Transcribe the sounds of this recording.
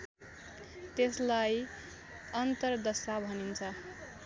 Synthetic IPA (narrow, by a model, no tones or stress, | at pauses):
t̪eslaj | ʌnt̪ʌrd̪ʌsabʱʌnint͡sʰʌ